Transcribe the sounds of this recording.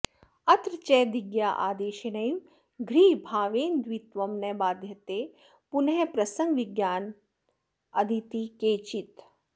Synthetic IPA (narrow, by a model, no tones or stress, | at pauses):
ɐt̪ɾt͡ʃɛːd̪iɡjaːʔaːd̪eːʃenɐjim | ɡʱɾiːbʱaːʋeːnd̪ʋit̪ʋɐmnɐbaːd̪ʱjɐt̪eː | punɦepɾɐsɐ̃ŋɡʋɪɡjaːn | ɐd̪ʱit̪ikeːt͡ʃit̪